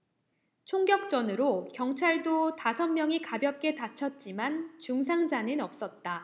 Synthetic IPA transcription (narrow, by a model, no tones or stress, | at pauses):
t͡ɕʰoŋɡjʌk̚t͡ɕ͈ʌnɯɾokjʌŋt͡ɕʰaɭdotasʰʌnmjʌŋikabjʌp̚k͈e̞tat͡ɕʰʌt̚t͡ɕ͈imant͡ɕuŋs̬ʰaŋd͡ʑanɯnʌp̚s͈ʌt̚t͈a